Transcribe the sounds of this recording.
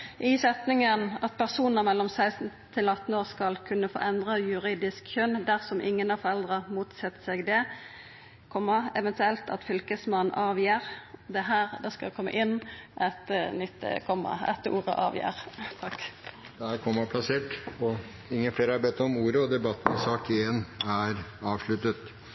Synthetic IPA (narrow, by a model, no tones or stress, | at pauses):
ʔɪsɛt̪nɪŋənɑt̪̚pʰæʁsuːnəʁmɛlːɔmsæɪsn̩t̪ʰɪlɑt̪ːn̩oːʁskɑlkʰʉnːəfo̰ːʔɛnd̪ʁəjʉʁiːd̪ɪskçʉnːd̪æʁsɔmʔɪŋːənɑfɔʁɛld̪ʁəʁmuːt̪sɛt̪ːə̥sɛɡd̪ɛ | kʰɔmːəɛʋɛnt̪ʉɛlt̪ɑ̰t̪fʏlkəsmɑnʔɑːʋjiːʁd̪ɛɦæːʁd̪ɛskɑkʰɔmːə̰ʔɪnːʔɛt̪nʏt̪ːkʰɔmːə̰ɛ̰t̪ṵːʁə̰ʔɑ̰ːʋjæ̰ːʁt̪ʰɑkːd̪̥ɛhæːɾkʰɔmːəpʰlɑseːʈɔ | ɪŋːənfleːɾəɑɾbɛt̪ːɔmuːɾəɔd̪ɛbɑt̪ːnɛsɑːkɪenæɾɑːʋʂɭʉt̪ət̪